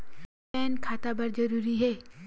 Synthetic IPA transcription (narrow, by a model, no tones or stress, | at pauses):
ɛːnkʰaːt̪abɐɾd͡ʒɐɾuːɾiɦɛː